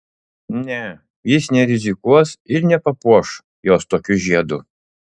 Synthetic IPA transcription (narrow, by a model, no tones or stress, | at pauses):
nʲɛ | jisʲnʲɛɾʲɪzʲɪkuɔsɪɾʲnʲɛpɐpuʃ | jɔst̪okʲuʒʲiɛd̪ʊ